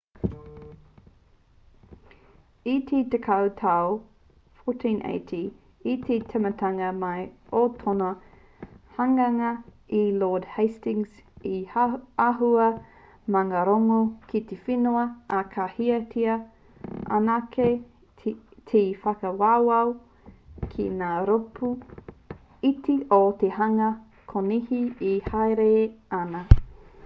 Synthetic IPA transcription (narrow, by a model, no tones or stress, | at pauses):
it̪ʰet̪ekʰɐwtʰao | fotʰĩnʔḛɪtʰiː | tʰetʰemɐtʰɐŋɐmɐjotʰono | hɐŋɐŋɐ | iloːdhejstɪ̃ŋziaɦuɐ | mɐŋɐɾoŋokʰit̪efinoɐakʰahiɐtʰiɐ | ʔa̰nakʰe | t̪ʰefɐkɐwawɐw | kʰḭnaːɾopʰu | itʰiʔot̪ehɐŋɐ | kʰonihiihajɾeanɐ